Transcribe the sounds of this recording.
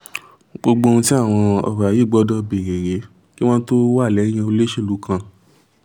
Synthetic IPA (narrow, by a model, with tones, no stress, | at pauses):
ɡ͡bo˧ɡ͡bõ˧ũ˧ti˦a˦˨w̃ɔ̃˧ɔ̰˧bji˨˦˨ɡ͡bɔ˨˦dɔ˧be˨ɾe˨ɾe˨˦ | ki˦w̃ɔ̃˦to˦wa˦˨lɛ˨˦ĩ˦ã˧o˧le˦ʃe˦˨lu˨˦kʰã˧